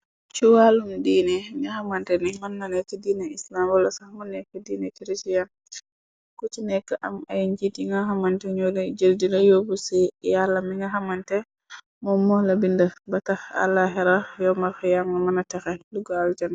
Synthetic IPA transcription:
t͡ʃuwalundiːnɛiŋahamantɛnimanːanɛkːɛdiːnɛislambɔlasahamanɛkːadiːnɛt͡ʃiɾit͡ʃijan | kut͡ʃinɛkːaʔamajɲd͡ʒitiŋɡaɦamantɛɲolɛd͡ʒəldilajobusɛjalːamiŋɡaɦamantɛ | mɔmɔlabindabataxa̰lːaɦɛɾajɔmaɾkɛjamɡamanatɛxɛluɡald͡ʒan

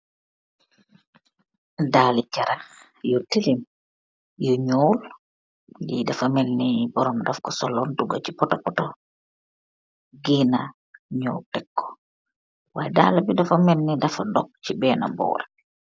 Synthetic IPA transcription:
daːlit͡ʃaɾa | jɔtilim | jɔɲoːl | jidafamɛlːibɔɾɔmdafkɔsɔlɔnduɡat͡ʃipɔtɔpɔtɔ | ɡina | ɲoːtɛkʰːɔ̥ | wajda̰ːlabidafamɛnːidafadɔk̚t͡ʃibɛːna̰bɔ̰ːɾɛ

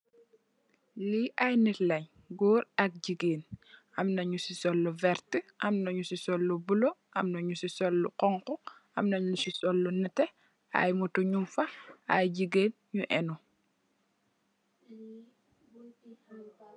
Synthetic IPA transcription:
liʔajnitlɐɲ | ɡɔːɾɐk̚ɟiɡeːn | amnɐɲusisɔlːɔvɛɾtəʔɐamnɐɲusisɔlːubuloʔɐmnɐɲusisɔlːṵqɔŋkɔɐmnɐɲusisɔlːɔnɛtɛ | a̰jmutuɲumfaajɟiɡeːn | ɲuʔɛnu

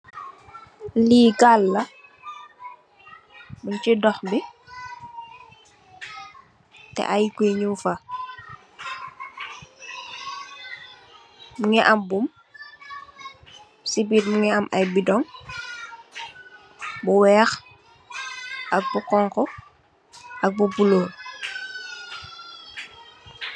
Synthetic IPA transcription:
liːɡalːɐ | muɲt͡ʃidɔxbi | tɛ̰ʔajkeɲufɐ | uŋɛʔɐmbum | sibiːt̚muŋɛɐmʔɐjbidɔŋ | buwɛːx | ʔɐk̚bukɔŋkɔ | ʔɐk̚bubuloːl

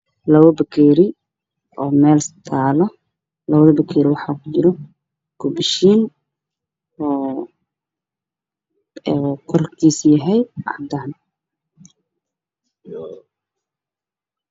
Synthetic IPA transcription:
lɐβɔbɐkʰɛːɾɪ | ɔːmɛːlst̪ʰaːlɔ | lɐβɐðɐbɐkʰɛːɾɪwɑħɑːkʰʊt͡ʃɪɾɔ | ɡ̥ʊbɪʃiːn | ɔː | kʰɔrkʰiːsjɐɦɛjʔɑ̰d̪aːn

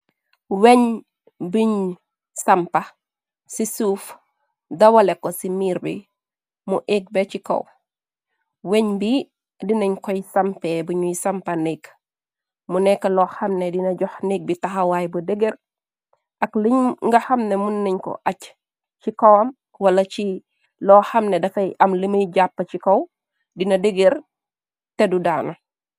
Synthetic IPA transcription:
weɲ | biɲ | sɐmpɐ | sisuːf | dɐwɐlekːɔsimiːɾbḭ | muʔek̚bet͡ʃiko̰w | weɲbi | diniɲkɔjisɐmpebuɲujisɐmpɐnik | munɛkːɐlɔːxɐmnedinɐɟɔxnik̚bitɐxɐwaːjbɐdeɡeɾ | ɐkliɲŋɡɐhɐmnemunːiɲkɔ̰ʔɐc | t͡ʃikɔwɐm | wɐlɐt͡ʃi | lɔːxɐmnedɐfɐjʔɐmliməjɟapːɐt͡ʃikɐw | dinɐdeɡeɾ | tɛdudaːnɐ

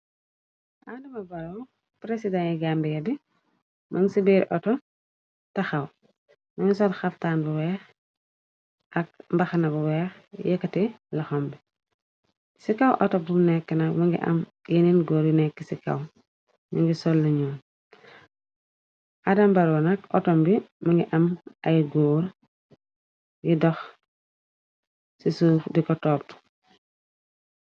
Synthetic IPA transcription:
ʔadɐmɐbɐɾɔ | pɾesidaŋɛɡambiɡɐbi | mʔɐŋɡisibeɾʔɔtɔ | tɐxɐw | mɐŋɡisɔlxɐftaːnbɐwɛːx | ʔɐk̚mbɐxɐnɐbɐwɛːx | jɛkːɐti | lɐxɔmbi | sikɐwʔɔtɔdumnɛkːənɐkmɐŋɡḭʔɐ̰m | jininɡɔːɾjinɛkːisikɐ̰w | miŋɡisɔlːuɲɔːn | ʔadɐmbɐɾwɐnɐk̚ɔ̰tɔmbimɐŋɡiʔɐmɐjɡɔːɾ | jidɔx | sisuːfdikɔtɔːp̚t

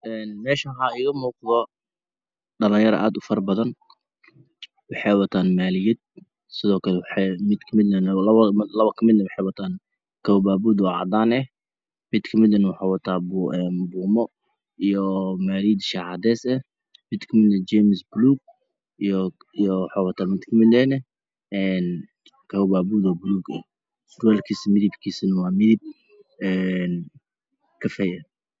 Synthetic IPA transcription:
ʔɛːnmɛːʃɐɦaːɪɣɐmuːqðɔ | ɖɐlɐjɐɾɐ̰ʔa̰ːd̪ʊfɐrbɐðɐn | wɑħɑwɐt̪ʰaːnmaːlɪjɪd̪̚ | sɪðɔːkʰɐlɛwħmɪd̪kʰɐmɪd̪nɐnlɐβlɐβɐkʰɐmɪd̪nɐwɑħɛwɐt̪ʰaːn | kʰɐwbaːbuːd̪ɔʕɑ̰d̪aːnɛh | mɪd̪kʰɐmɪd̪ɐnwɑħɑːwɐt̪ʰaːbɛːnbuːmɔ | jomaɾiːd̪ʃaʕad̪esa | bit̪kmɪlnad͡ʒemsbluːɡ̚ | jo | joħowɑt̪amit̪kmilene | n | kawbabud̪wabluːkḭ | d̪walkismiɾibkisinwamiɾib̚ | n | kafeja

